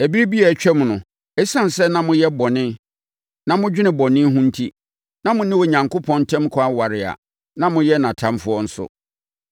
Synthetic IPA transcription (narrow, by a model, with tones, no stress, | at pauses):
æ˨bi˦bi˦ɛ˨t͡ɕᶣɛ˦m˨nʊ̃˨ | ɛ˦sã˦n˨sɛ˦nã˦mʊ̃˦jɛ˦bɔ˨nɪ̃˦ | nã˨mʊ̃˦d͡ʑᶣɪ˦nɪ̃˨bɔ˨nɪ̃˦ɦũ˦n̩˦tʰi˦ | nã˦mʊ̃˦nɪ̃˦wo˨ɲã˨ŋko˦pʰɔ̃˦ntʰɛ̃˦m˦kʰɔ˦a˦wa˨ɾɪ˨a̰˨ | nã˦mʊ̃˦jɛ˦nã˨tʰã˦mfʊ˦ɔ˦n̩˦sʊ̰˦